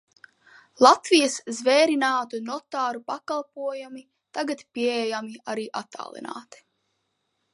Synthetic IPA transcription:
lˠat̪vijəszvɛːɾinaːt̪unɔt̪aːɾupakalˠpuɔjami | t̪aɡat̪piɛɛjamiaɾiːʔat̪ːa̰ːlˠḭna̰ːt̪i̥

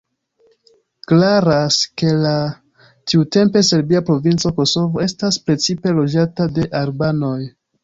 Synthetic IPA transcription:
klaɾaske̞la | tiute̞mpe̞se̞ɾbiapɾo̞vint͡so̞ko̞so̞vo̞e̞staspɾe̞t͡sipe̞lo̞d͡ʒatade̞ʔaɾbano̞j

